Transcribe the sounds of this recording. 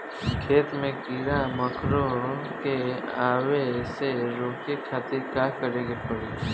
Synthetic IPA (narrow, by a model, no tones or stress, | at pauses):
kʰeːt̪mẽkɪɽaməkʰɾoke | aːweseɾoːkekʰaːt̪ɪɾkakəɾẽːɡepəɽiː